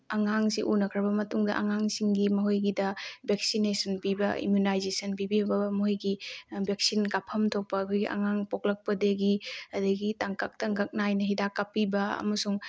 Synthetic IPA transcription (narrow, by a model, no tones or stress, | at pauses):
ɐŋaŋsiʔunɐkʰɾɐbɐmɐtuŋdɐʔɐ̰ŋaŋsiŋɡimɐɦojɡidɐbʱek̚sinesɐnpibɐ̰ḭmjunajzesɐnpibibɐmɐɦojɡibʱek̚sinkapʰɐmtʰok̚pɐːkʰojɡḭʔɐ̰ŋaŋpok̚lɐk̚pɐdeɡiɐdɐɡitaŋkak̚taŋkɐk̚najnɐɦidakːapːibɐɐ̰mɐsuŋ